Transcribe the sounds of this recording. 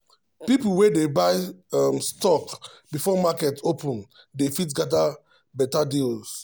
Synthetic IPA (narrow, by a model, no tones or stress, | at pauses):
pipl̩wedebaɪamstɔkbifɔmakɛtopə̃n | defitɡada | bɛtadils